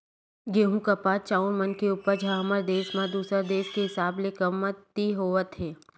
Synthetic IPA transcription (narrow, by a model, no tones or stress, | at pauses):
ɡeːɦũkɐpaːt͡ʃaːʊnmənkeuːpəɾd͡ʒʱaɦɐməɾd̪eːʃmãd̪uːsəɾd̪eːskeɦɪsaːblekəmːət̪ːiɦoːʋət̪ɦɛː